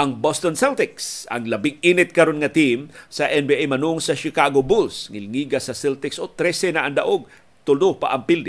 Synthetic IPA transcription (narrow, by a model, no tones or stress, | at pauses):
ʔɐŋbost̪onsɛlt̪ɪksɐ̰ŋlɐbɪɡinɪt̪̚kɐɾonŋɐt̪imsɐʔɛnbiʔejmɐnʊŋsɐʃɪkaɡobulsŋɪlŋiɡasɐsɛlt̪ɪksot̪ɾɛsɛnaʔaŋd̪aʔoɡ̚ | t̪ʊlopa̰ʔɐŋpild̪ɪ